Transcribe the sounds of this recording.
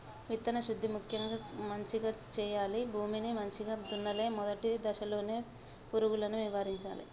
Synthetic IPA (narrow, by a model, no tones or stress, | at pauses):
ʋit̪ːɐnɐʃud̪ʱːimukʰjɐŋɡaːmɐɲt͡ʃiɡaːt͡ʃɛːjaːlibʱuːminimɐɲt͡ʃiɡaːt̪unːɐle̞ːmɔd̪ɐʈid̪ɐʃɐlo̞ːne̞ː | puɾuɡulɐnuʋiʋaːɾiɲt͡ʃa̰ːlḭ